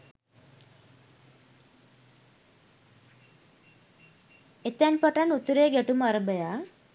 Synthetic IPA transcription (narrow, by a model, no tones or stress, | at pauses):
et̪anpaʈanut̪uɾeɡeʈumaɾəbəja